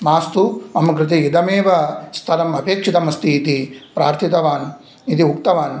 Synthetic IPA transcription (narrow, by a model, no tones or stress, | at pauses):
maːst̪uɐmɐɡɾɪt̪ijid̪ɐmeːʋɐst̪ʰɐlɐmɐbeːkʂit̪ɐmɐst̪iːt̪ipɾa̰ːɾt̪ʰit̪ɐʋaːn | it̪iuk̚t̪ɐʋaːn